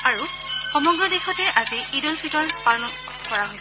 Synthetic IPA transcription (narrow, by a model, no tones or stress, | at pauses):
aɹuxɔmɔɡɹɔdixɔtɛʔaziidɔlfʰitɔɹpanɔ | kɔɹaɦojs